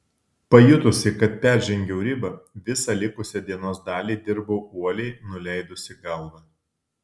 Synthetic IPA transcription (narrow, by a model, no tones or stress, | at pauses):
pɐjʊt̪ʊsʲɪkɐt̪̚pʲæˑɾʲʒʲɛŋʲɡʲɛʊɾʲɪbɐʋʲɪsɑlʲɪkʊsʲɛd̪ʲiɛnoːsd̪ɑːlʲiːd̪ʲɪɾboːuɔlʲɛɪnʊlʲɛɪd̪ʊsʲɪɡɐlˠʋɐ